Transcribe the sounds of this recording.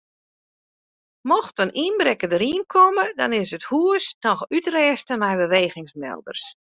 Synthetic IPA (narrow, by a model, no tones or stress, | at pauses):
mɔxtənʔinbrɛkədəɾiənkʰɔmədɔ̰nɪsəthuəsnɔxytrɛːstəmɛjbəʋeːɣɪŋsmɛ̰lˠdə̰rs